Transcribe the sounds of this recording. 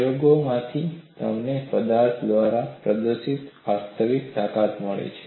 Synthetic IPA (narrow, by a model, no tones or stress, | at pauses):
joɡomãt̪ʰit̪ə̰mnepəd̪aɾt̪ʰd̪ʋaɾapɾəd̪əsit̪ʋast̪ʰəʋikt̪akat̪məɭḛt͡ʃʰe